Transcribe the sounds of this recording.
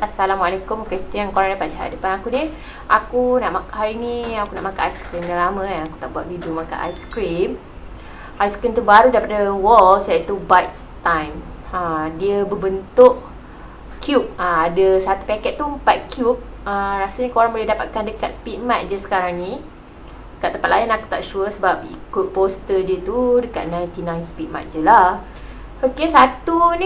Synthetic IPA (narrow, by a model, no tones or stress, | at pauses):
asalamwalekʊmkɾist̪iankoɾaŋdapadəɦa̰dəpanakuni | ʔakunaʔmakɦaɾinĩakunaʔmakaʔajskɾimnalamə̃janaku̥t̪aʔbuat̪ʔ̪̚vidomaka̰nʔa̰jskɾim | ajskɾimt̪ubaɾudaɾipadəwɔlsəait̪ubajt̪st̪ãjm | ədiəbəbənt̪ʊʔ | kʰjup̚əadəsat̪u̥pakɛt̪̚t̪ːumpat̪̚kʰjup̚ | əɾasəɲəkoɾaŋbolɛhdapat̪̚kandəkat̪̚sə̥pit̪̚mat̪̚d͡ʒəsə̥kaɾaŋnĩ | dəkat̪̚ːəpat̪̚lajənaku̥t̪a̰ʔʃuəsəbap̚ḭkut̪̚post̪ədiət̪udəka̰t̪̚nãjnt̪inãjnspit̪̚ma̰t̪̚d͡ʒəla | okesat̪unĩ